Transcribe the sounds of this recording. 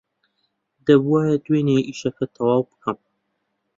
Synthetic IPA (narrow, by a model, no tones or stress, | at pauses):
d̪ɐbuwaːjɐd̪weːneʔiʃɐkɐt̪ʰɐwɑːwbɨ̥kʰɐm